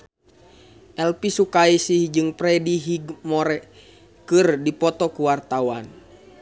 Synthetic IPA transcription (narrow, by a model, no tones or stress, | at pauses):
ʔɛlpisukaisihd͡ʒɨŋpɾɛdiɦiɡmɔɾɛ | kɨrdipɔt̪ɔkuwart̪awan